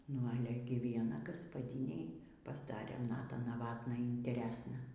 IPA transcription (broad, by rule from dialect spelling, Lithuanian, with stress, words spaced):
nʊ ˈɑːlʲɛ ɡʲɪ ʋʲiɛˈnɐ ɡɐspɐˈdʲɪnʲɛɪ pɐzˈdɑːrʲeː ˈnɑːtɐ nɐˈʋɑːtnɐ iːnʲtʲɛˈrʲæːsnɐ